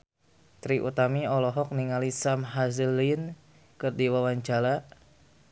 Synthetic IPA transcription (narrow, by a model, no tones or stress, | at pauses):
t̪ɾiʔṵt̪amiɔlɔɦɔk̚niŋalisamɦazlin | kɨrdiwawaɲt͡ʃala